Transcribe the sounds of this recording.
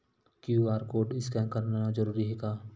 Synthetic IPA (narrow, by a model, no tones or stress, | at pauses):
kjuaːɾkoːɖɪskɛ̃kəɾnanad͡ʒəɾuːɾiɦɛːɡaː